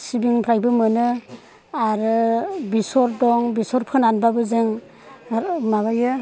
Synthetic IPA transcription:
sibiŋpʰɾajbɯmɯnɯ | aɾɯbisɔɾdɔŋbisɔɾpʰɯnanbabɯzeŋ | maβajɯ

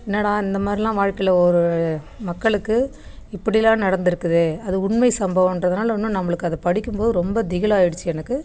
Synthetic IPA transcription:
ɛnːɐːɽãːɪnd̪ɐmaːd̪ɾilãːʋaːɻkɐɪlɐɔɾɯ | mɐkːɐɭɯkːɯ | ɪpːɐɽɪlãːnɐɽɐnd̪ɪɾɯkːɯðɯɐðɯʊɳmɐɪsɐmbɐʋɐ̃mɛndrɐðɯnaːlɐnːɯnɐmːɐɭɯkːɯɐðɐpɐɽɪkːɯmpoːðɯɾɔmbɐd̪ɪɣɐlaːɪɽɯt͡ʃːɯɛnɐkːɯ

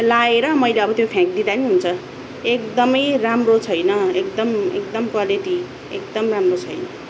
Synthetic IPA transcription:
laeɾʌmʌjleʌbʌt̪jopʰjãk̚d̪id̪aniɦunt͡sʰʌ | ekd̪ʌmʌjramrot͡sʰʌjnʌekd̪ʌmḛkd̪ʌmkwaliʈi | ḛkd̪ʌmramrot͡sʰʌjnʌ

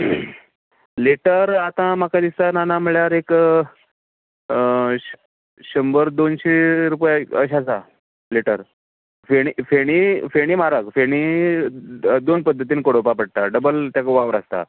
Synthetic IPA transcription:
leʈəɾat̪ãm̤akad̪ist̪ananaməɭjaɾek | ɕəmbəɾd̪onɕeɾupjaə̰ɕasa | leʈəɾ | feɽ̃ifeɽ̃ifeɽ̃imaɾəkfeɽ̃i | d̪onpəd̪ʱːət̪iːnkoɽopapəɽt̪aɖəbəlt̪jakəʋaʋɾast̪a̰

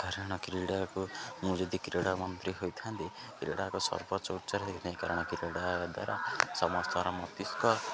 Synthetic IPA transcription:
kaɾɽ̃ɔkiɾiɽakomũd͡ʒɔd̪ikiɾeɽamʌnt̪ɾiɦojt̪ʰãnt̪i | kiɾḛɽakosɔ̰ɾbɔt͡ʃɔutːsaɾt̪ʰekit̪aĩkaɾɔɽ̃ɔkiɾeɽaad̪a̰ɾasɔmɔst̪ʰɔɾamɔt̪iskɔ

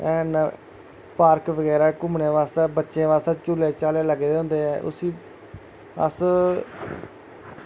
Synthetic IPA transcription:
ɛːn | paːɾkʋəɡɛːɾaːkʊmɳeːʋaːst̪ɛːbətːʃẽːʋaːst̪ɛːt͡ʃʊleːt͡ʃaːleːləɡd̪eːɦʊ̃nd̪eːɛːʔʊ̰siː | ə̰s

